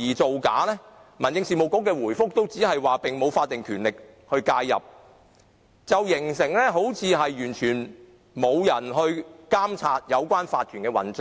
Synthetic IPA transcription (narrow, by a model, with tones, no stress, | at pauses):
iː˨˩t͡so˨wka̰ː˨˥lɛː˥ | mɐ˨˩nt͡sɪ˧ŋsiː˨mo˨˩wko˨˥kːɛː˧wuː˨˩jfʊ˥k̚t̪o˥wt͡siː˨˥ɦɐ˨jwaː˨pɪ˨ŋmo˨˧wfaː˧t̪̚ːɪ˨ŋkʰyː˨˩nlɪ˨k̚ | hɵ˧ɥkaː˧jːɐ̰˨p̚ | t͡sɐ˨wjɪ˨˩ŋsɪ˨˩ŋlɛː˥ɦo˨˥wt͡sʰiː˨˧ɦɐ˨jːyː˨˩nt͡ʃʰyː˨˩n | mo˨˧wjɐ˨˩nɦɵ˧ɥkaː˥mt͡sʰaː˧t̚jɐ˨˧wkʷaː˥nfaː˧t̚kʰyː˨˩nkɛː˧wɐ̰˨˥nt͡sœ˨˥